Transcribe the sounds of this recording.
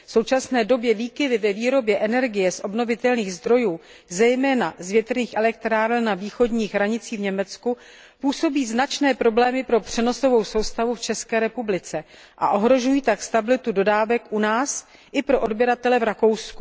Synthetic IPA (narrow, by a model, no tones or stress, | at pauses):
fso̞wt͡ʃasnɛːdo̞bjɛviːkɪdɪvɛviːɾo̞bjɛʔɛnɛɾɡɪjɛsʔo̞bno̞vɪt̪ɛlniːɣzd̪ɾo̞juː | zɛjmɛːnazvjɛt̪rniːxʔɛlɛkt̪ɾaːɾnaviːxo̞dɲiːɣɦɾaɲɪt͡siːvɲɛmɛt͡sku | puːso̞biːznat͡ʃnɛːpɾo̞blɛːmɪpɾo̞pr̝̥ɛno̞so̞vo̞wso̞wst̪avuft͡ʃɛskɛːɾɛpublɪt͡sɛ | ʔa̰ʔo̞ɦɾo̞ʒujiːt̪akst̪abɪlɪt̪udo̞daːvɛkʔunaːs | ʔɪpɾo̞ʔodbjɛɾat̪ɛlɛvɾako̞wsku̥